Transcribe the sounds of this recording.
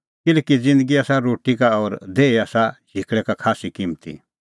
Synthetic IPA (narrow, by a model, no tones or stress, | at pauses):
kɪlkid͡zɪ̃nd̪əɡiaːsaɾoːʈikaɔːɾd̪eːiaːsad͡ʒʱikɽɛkakʰaːsikĩmt̪ḭ